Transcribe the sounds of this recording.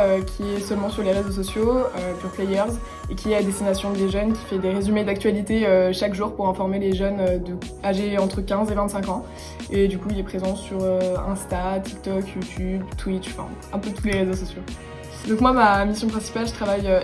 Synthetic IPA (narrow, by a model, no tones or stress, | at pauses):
økʲʰiɛsœlmɑ̃syʁleʁezos̬ɔsjoøpyʁplɛjœʁz | ekʲiɛlad̪est̪inasjɔ̃d̪eʒœnkʲi̥fɛd̪eʁezymed̪ak̚t̪ɥalit̪eøʃakʒuʁpuʁɛ̃fɔʁmeleʒœnød̪ə | aʒeɑ̃t̪χəkʲɛ̃zevɛ̃nt̪sɛ̃kɑ̃ | ed̪ykuilɛpχezɑ̃syʁøɛ̃st̪at̪ʰi̥k̚t̪ɔkjut̪ʰʲybt̪wit̪ʃfɛ̰̃ | ɛ̃pøt̪ʰuleʁezosɔsjo | d̪ɔ̃kmwamamisjɔ̃pχɛ̃si̥palʒət̪χavajø